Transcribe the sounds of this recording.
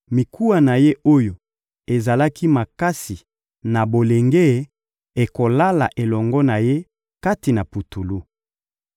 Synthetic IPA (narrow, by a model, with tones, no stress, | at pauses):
mi˨kʰu˦a˨na˨je˦ʔo˦jo˨ | e˨za˨la˦ki˦ma˨ka˦si˨ | na˨bo˨le˨ŋɡe˦ | e˨ko˨la˦la̰˨ʔe˨lɔ˨ŋɡɔ˦na˨je˦ | ka˦ti˨na˨pu˨tu˨lu˦